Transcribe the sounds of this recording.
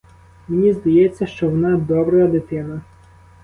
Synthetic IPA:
menʲizd̪ɐjɛt͡sʲːɐʃt͡ʃɔʋɔnɑd̪ɔbɾɐjɐd̪ɪt̪ɪnɐ

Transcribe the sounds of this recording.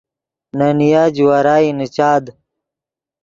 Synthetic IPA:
nanijaːd͡ʑwaɾaːinit͡ɕaːd̪

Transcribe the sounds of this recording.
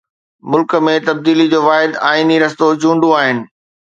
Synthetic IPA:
mʊlkə̆mẽt̪ɐb̚d̪iːlid͡ʑoːʋaːɦɪd̪aːiniɾɐst̪od͡ʑũːɳɖuaːɦɪnɪ̆

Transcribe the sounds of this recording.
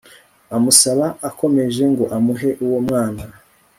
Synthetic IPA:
amusaβaːko̞me̞ʒe̞ŋɡo̞ʔamuɦe̞ʔuwomŋaːna

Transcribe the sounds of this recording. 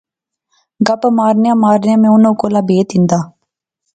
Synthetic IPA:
ɡəpmaːɾnjãːmaːɾnjãːmẽːʊnõːkoːlaːbeːt̪ɪ̃nd̪aː

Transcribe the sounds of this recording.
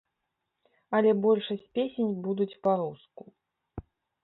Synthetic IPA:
ɐlʲɛbɔlʲʂɐsʲtʲpʲesʲenʲbud̪ut͡sʲpaɾusku

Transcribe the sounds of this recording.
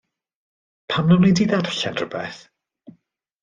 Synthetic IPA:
pʰamnawlidiðaɾəɬanrəbɛθ

